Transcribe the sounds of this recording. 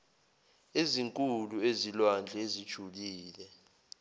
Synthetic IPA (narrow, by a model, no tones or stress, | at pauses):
eziŋkʼuluezilwand͡ɮʱezid̥ʒ̥ʱuliːlɛ